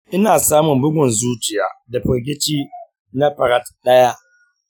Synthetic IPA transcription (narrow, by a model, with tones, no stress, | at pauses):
ʔɪ˦naː˨saː˦mʊ˨mbʊ˦ɡʷʊ˨nzuː˦t͡ʃɪ˨ja̰ː˨da˨ɸɐ˨ɾɡʲɪ˦t͡ʃiː˦ | na˦ɸɐ˨ɾa˦tɗɐ˦ja˦ʔ